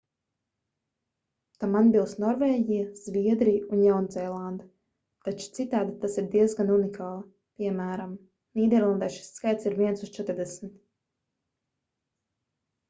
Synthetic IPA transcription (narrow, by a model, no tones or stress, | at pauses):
t̪amanbilˠsnɔɾveːɟijaz̥vʲiɛd̪ɾijunjawnzɛjlˠand̪a | t̪at͡ʃu̥t̪sit̪aːd̪it̪asiɾd̪iɛzɡanunikʰaːlˠa | pʲiɛmæːɾam | niːd̪ɛɾlˠand̪ajʃi̥sːkajt̪siɾviɛnsust͡ʃɛt̪ɾd̪ɛsmit̪